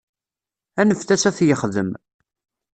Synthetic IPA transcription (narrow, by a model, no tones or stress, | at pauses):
ænəfθæsæθjəχðəm